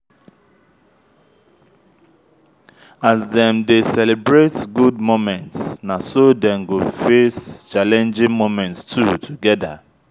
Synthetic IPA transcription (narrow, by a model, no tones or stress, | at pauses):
azdɛ̃mdesɛlibɹetɡudmomɛ̃ntsnasodɛ̃mɡofest͡ʃalɛ̃nd͡ʒɪ̃ŋmomɛ̃ntstʰutʰuɡɛda̰